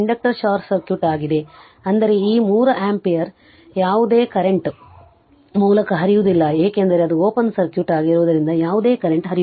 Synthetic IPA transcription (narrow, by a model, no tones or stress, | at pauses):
ɐɳɖɐk̚ʈɐɾʃaːɾsɐɾkjuʈaːɡid̪e̞ | ɐnd̪ɐɾe̞iːmuːɾɐʔaːmpijɐɾ | jaːʋud̪e̞ːkɐɾeɳʈ | muːlɐkɐɦɐɾijud̪ilːɐeːkeːnd̪ɐɾeɐd̪uoːpɐnsɐɾkjuʈaːɡiɾuʋɐd̪ɐɾind̪ɐjaːʋud̪e̞ːkɐɾeɳʈɦɐɾi